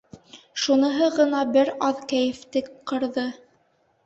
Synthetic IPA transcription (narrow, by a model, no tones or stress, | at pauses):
ʃunɤ̆ɦɤʁɤ̆nɑbɘɾɑðkæjɘ̆ft̪ɘkqɤ̆ɾðɤ